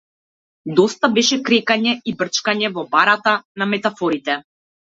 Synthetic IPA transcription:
d̪ɔst̪abɛʃɛkɾɛkaɲɛibr̩t͡ʃkaɲɛvɔbaɾat̪anamɛt̪afɔɾit̪ɛ

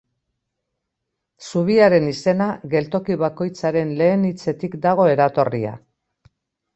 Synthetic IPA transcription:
suβ̞iaɾe̞nise̞naɣe̞lt̪o̞kiβako̞jt͡saɾe̞nle̞ːnit͡se̞t̪ikd̪aɣ̞o̞e̞ɾat̪o̞rḭa̰

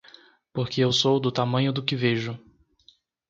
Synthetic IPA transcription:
poɾkɪewsowd̪ʊt̪amɐ̃ɲʊd̪ʊkɪveʒʊ

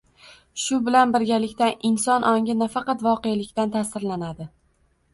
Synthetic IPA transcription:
ʃʊbɪlanbɪɾɡʲalɪkʲt̪anʔɪnsɒnʔɒŋʲɪnafɑqɑt̪vɒqejalɪkʲt̪ant̪ʰasɪɾlanad̪ɪ

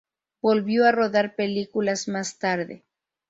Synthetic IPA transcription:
bo̞lβjo̞aro̞ðaɾpe̞likulazmast̪aɾðḛ

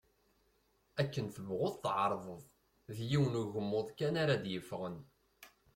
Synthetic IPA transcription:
ækːənθəvʁʊðˤθʕəɾˤðˤəðˤ | ðjiwnuʝəmːʊðˤkænaɾad̪jəfʁən

